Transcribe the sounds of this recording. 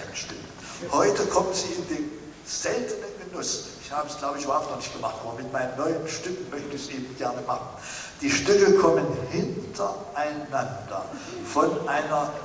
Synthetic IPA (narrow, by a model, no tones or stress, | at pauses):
nəʃtɪk | hɔʏtəkʰɔmənziːɪndeːm | z̥ɛltənənɡənʊsɪçhaːbəsɡ̥laʊbəɪçyːbɐhaʊptnɔχnɪçtɡ̥əmaχtʔaːbɐmɪtmaɪnənːɔʏənʃtʏkŋ̩mœçtəɛsʔeːb̚m̩ɡ̥ɛɐnəmaχn̩ | d̥iːʃtʏkəkʰɔmənhɪntʰɐʔaɪnandɐ̰ | fɔnʔaɪnɐ